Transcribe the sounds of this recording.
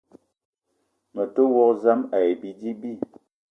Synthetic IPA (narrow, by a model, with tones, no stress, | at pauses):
mə˨to˦wɔ˦kza˦ma˨e˨bi˨di˦bi˦